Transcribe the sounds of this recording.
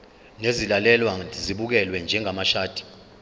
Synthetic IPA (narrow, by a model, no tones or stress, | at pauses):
nezilalɛlwaziɓuk̬ɛlwɛnd͡ʒʱɛŋʱamaʃaːd̥ʱi̥